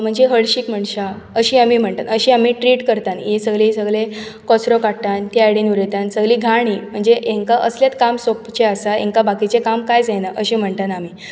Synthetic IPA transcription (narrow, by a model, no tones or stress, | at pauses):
m̤əɳd͡zeɦəɭɕiːkm̤əɳɕa | əɕiːamiːm̤əɳt̪anəɕĩːamiːʈɾiːʈkəɾt̪anjesəɡɭeisəɡɭe | kɔt͡sɾokat̪ant̪iaɽinuɾet̪ansəɡliːɡʱaɽ̃iːm̤əɳd͡zeʔẽŋkaʔəsljat̪kamsopt͡ɕeasaḛŋkabakit͡sekamkajd͡zenaʔəɕĩm̤əɳt̪anamiː